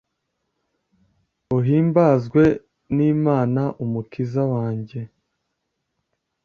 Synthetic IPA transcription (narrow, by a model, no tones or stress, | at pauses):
uɦiːmbaːzɡwe̞ | niːmaːnaʔumukizawaːɲɟe̞